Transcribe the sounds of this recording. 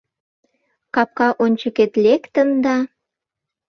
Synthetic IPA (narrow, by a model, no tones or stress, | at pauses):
kɑp̚kɑʔonʲt͡ɕə̆ket̪lekt̪ə̆nd̪ɑ